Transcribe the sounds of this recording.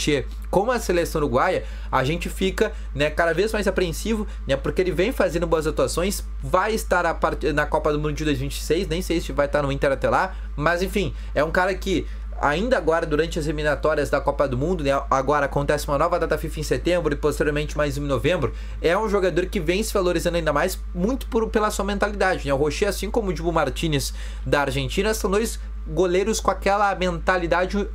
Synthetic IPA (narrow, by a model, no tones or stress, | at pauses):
t͡ʃe | kõmʊɐselesɐ̃w̃oɾʊuɡwajɐ | aʒẽnt͡ʃɪfikɐ | nɛkad̪ɐvezmajzapɾeẽsivʊ | nɛpoɾkeelɪvẽj̃fazẽnd̪ʊboɐzat̪uasõj̃s | vajɪst̪aɾapaɾt͡ʃinɐkɔpɐd̪ʊmũd̪ʊd͡ʒɪd̪ojzvĩt͡ʃɪ̥sejsnẽj̃sejsɪvajt̪aɾnʊ̃ĩnt̪ɛɾat̪ɛla | mɐzẽfĩ | ɛũkaɾɐkɪ | a̰ĩnd̪ɐaɡɔɾɐd̪uɾɐ̃nt͡ʃɪɐzhiminat̪ɔɾiɐzd̪ɐkɔpɐd̪ʊmũnd̪ʊnɛaɡɔɾɐakõnt̪ɛsɪũmɐnɔvɐd̪at̪afifẽset̪ẽmbɾʊɪpost̪eɾjoɾmẽnt͡ʃɪmajzũnovẽmbɾʊ | ɛũʒoɡad̪oɾkɪvẽj̃sɪvaloɾizɐ̃nd̪aĩnd̪ɐmajs | mũj̃t̪ʊ̥pʊɾpelɐsuɐmẽnt̪alid̪ad͡ʒɪnɛʊɦoʃeasĩkõmʊd͡ʒibʊmaɾt͡ʃĩnɪz | d̪ɐaɾʒẽnt͡ʃĩnɐstɐ̃w̃d̪ojs | ɡoleɾʊskõakɛlɐmẽnt̪alid̪ad͡ʒɪ